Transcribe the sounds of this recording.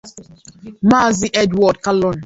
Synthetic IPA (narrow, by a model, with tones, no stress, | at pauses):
ma˦˨zi˦ʔɛ˦dwɔ˨d̚ka˦lɔ˨n